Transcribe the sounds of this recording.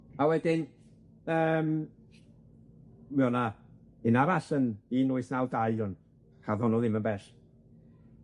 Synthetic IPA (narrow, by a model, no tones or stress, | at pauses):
awɛdɪn | əːm | mɛɔna | ɪnavaɬəniːnʊɨsnawdajʊn | hʰaðɔnɔðɪmənbɛɬ